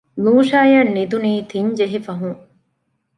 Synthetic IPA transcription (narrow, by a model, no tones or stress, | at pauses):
luːʃaːjɐnːid̪uniːt̪ʰiɲd͡ʒeɦifɐɦũŋ